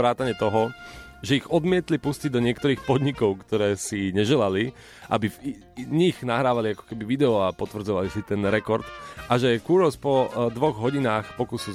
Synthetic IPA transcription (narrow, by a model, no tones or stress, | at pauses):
ɾaːt̪aɲɛt̪ɔɦɔ | ʒɛiɣɔd̪mɪɛt̪lipusciɟ̚d̪ɔɲɪɛk̚t̪ɔɾiːxpɔd̪ɲikɔʊkt̪ɔɾɛːsiɲɛʒɛlali | ʔa̰biv | ɲiɣnaɦɾaːʋaliakɔ̥kɛbiʋid̪ɛɔapɔt̪ʋr̩d͡zɔʋalisit̪ɛnɾɛkɔɾt̪ʔaʒɛkuːɾɔspɔd̪ʋɔɣɦɔɟinaːxpɔkuːsil